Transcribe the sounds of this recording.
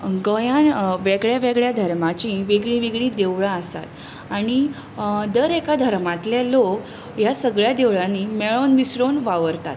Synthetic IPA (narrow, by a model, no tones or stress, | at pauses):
ɡəjãʋɛɡɭjaʋeɡɭjad̪ʱəɾmat͡ɕĩʋeɡɭĩʋeɡɭid̪eʋɭaəsa̰t̪ | aɽ̃i | d̪əɾekad̪ʱəɾmat̪ljalok | jasəɡɭjad̪eʋɭanimeɭonʋisɽonʋaʋəɾt̪a̰t̪